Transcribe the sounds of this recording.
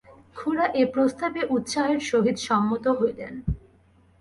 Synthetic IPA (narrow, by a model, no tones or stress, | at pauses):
kʰuɾaʔepɾost̪abeʔut̪ʃaɦeɾʃoɦid̪ʃɔmːot̪oɦoed̪ɛ̰n